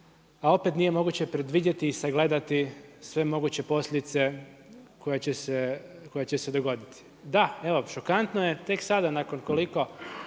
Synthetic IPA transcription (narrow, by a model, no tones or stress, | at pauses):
ao̞pe̞t̪nije̞mo̞ɡuːt͡ɕepɾe̞d̪ʋidʲet̪iːsaɡle̞d̪at̪isʋe̞mo̞ɡut͡ɕe̞po̞slʎʲed̪it̪se̞ko̞jet͡ɕeseko̞jet͡ɕesed̪o̞ɡo̞d̪it̪i̥ | d̪aeʋo̞ʃo̞kant̪noje̞t̪e̞ksad̪anako̞nko̞liko̞